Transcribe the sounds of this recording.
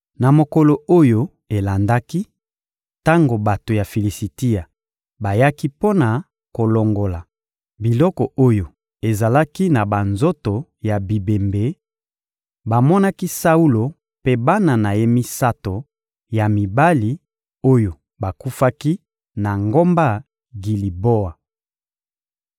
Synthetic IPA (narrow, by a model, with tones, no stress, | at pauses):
na˨mo˨ko˨lo˨o˦jo˦ | e˨la˨nda˦ki˦ | ta˦ŋɡo˨ba˨to˨ja˨fi˨li˨si˨ti˦a˨ | ba˨ja˦ki˦po˦na˨ | ko˨lo˨ŋɡo˨la˨ | bi˨lɔ˦kɔ˨o˦jo˨ | e˨za˨la˦ki˦na˨ba˨nzo˦to˨ja˨bi˨be˨mbe˨˦ | ba˨mɔ˦na˦ki˦sa˦u˦lo˨ | pe˦ba˦na˨na˨je˦mi˦sa˦to˨ | ja˨mi˨ba˦li˨ | o˦jo˨ | ba˨ku˦fa˦ki˦ | na˨ŋɡo˦mba˦ | ɡi˨li˨bo˦a˨